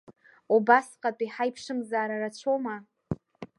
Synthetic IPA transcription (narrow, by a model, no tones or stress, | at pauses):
ubasqʼatʼiħajpʰʂɨmzaːɾaɾat͡ɕʷʰoma